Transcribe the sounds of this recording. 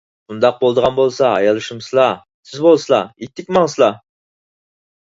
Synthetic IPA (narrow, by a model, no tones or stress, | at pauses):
bund̪ɑq̚bolˠd̪əʁɑnbolˠsɑ̰ːjɑlˠɨʃumsɨlˠɑ | sʰɪzbolˠsɨlˠɑit̪ʰːɪk̚ʲmɑŋsɨlˠɑ